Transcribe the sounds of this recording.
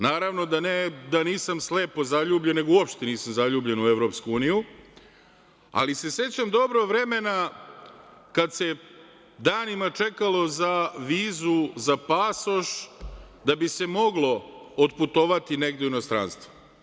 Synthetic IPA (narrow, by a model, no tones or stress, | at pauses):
naːɾaʋno̞d̪aned̪aniːsamsle̞ːpo̞zaʎuːbʎe̞nːe̞ɡouopʃt̪eniːsamzaʎuːbʎe̞nueʋɾo̞pskuuːniju | a̰lise̞se̞t͡ɕamd̪o̞bɾoʋɾe̞me̞na | kad̪se̞ | d̪aːnimat͡ʃe̞kalˠo̞zaʋiːzuzapasoʃ | d̪abise̞mo̞ɡlo̞ot̪put̪o̞ʋat̪ine̞ɡd̪euinost̪ɾa̰ːnst̪ʋo̥